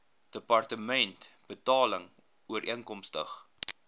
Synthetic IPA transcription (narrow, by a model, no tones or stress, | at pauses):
d̥əpɐrtəmɛntb̥ətɑːləŋ | uəɾʔiəŋkɔmstəχ